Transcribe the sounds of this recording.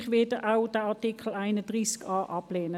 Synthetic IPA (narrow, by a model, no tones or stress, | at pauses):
χʋɪdəʔaʊd̥əɑʁtikʰl̩aɪnəd̥ʁiːskɑːʔɑpleːnə